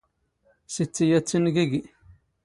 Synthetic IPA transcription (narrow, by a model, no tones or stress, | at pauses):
sit͡sːijæt͡sːənɡiɡi